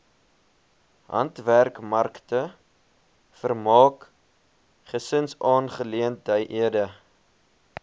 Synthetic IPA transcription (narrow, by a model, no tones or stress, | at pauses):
ɦɐ̰ntværkmɐrktə | fərmɑːk | χəsənsɑːnχəliəntəjʔiədə